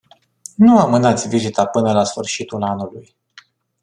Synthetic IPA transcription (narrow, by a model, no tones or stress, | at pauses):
nuamɨnat̪sʲvizit̪apɨnəlasfɨrʃit̪ulanuluj